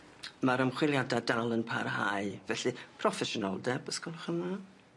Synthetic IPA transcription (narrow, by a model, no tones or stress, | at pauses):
maɾəmχwɪlˠjadadalˠənpʰarɦaɨvɛɬɨpʰrɔfɛʃɔnɔ̰lˠdɛbəskɔlˠχəma